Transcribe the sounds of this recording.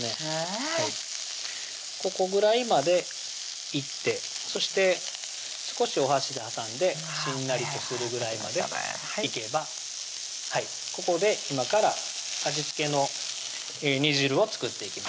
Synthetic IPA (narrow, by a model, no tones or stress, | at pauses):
ehai | ko̞ko̞ɡɯ̟ɾaimad̪e̞ | it̪ːe̞ | so̞ɕi̥t̪e̞ | sɨ̥ko̞ɕio̞ɦaɕid̪e̞hasãnd̪e̞ | ɕĩnːaɾʲit̪o̞sɨɾɯ̟ɡɯ̟ɾaima̰d̪e̞ | ike̞ba | hai | ko̞ko̞d̪e̞imakaɾa | aʑit͡sɨ̥ke̞no̞ | eɲ̟iʑiɾɯ̟o̞t͡sɨ̥kɯ̟t̪ːe̞ikʲima